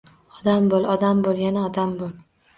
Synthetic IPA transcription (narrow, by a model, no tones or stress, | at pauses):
ɒd̪ambolˠɒd̪ambolˠjanaɒd̪ambol